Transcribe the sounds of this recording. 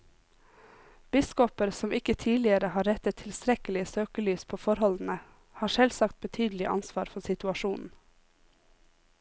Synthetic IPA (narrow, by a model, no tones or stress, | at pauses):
b̥ɪskɔpəɾsɔmɪkət̪ʰiːlɪəɾəhɑːɾɛt̪ət̪ʰɪlst̪ɾɛkəlɪəsøːkəlyːspʰoːfɔɾhɔln̩ə | hɑːʃɛlsɑk̚t̪̚bət̪ʰyːd̪l̩ɪʔɑ̰nsʋɑːɾfɔsɪt̪ʉɑʃuːnn̩